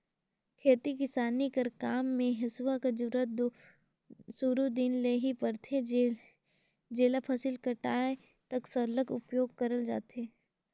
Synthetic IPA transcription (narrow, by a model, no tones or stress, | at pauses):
kʰeːt̪ikɪsaːnikəɾkaːmːẽɦɪswakad͡ʒʊɾət̪̚d̪o | suɾud̪inleːɦipɐɾt̪ʰe | d͡ʒeːlapʰɐsɪlkɐʈaːe | t̪ɐksɐɾləkʊ̰pjoːɡ̚kɐɾəld͡ʒa̰ːt̪eː